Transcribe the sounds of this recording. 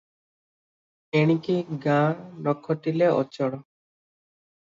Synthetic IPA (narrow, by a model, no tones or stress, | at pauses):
eɽ̃ikiɡãnɔkʰːɔʈileʔɔ̰t͡ɕɔɽɔ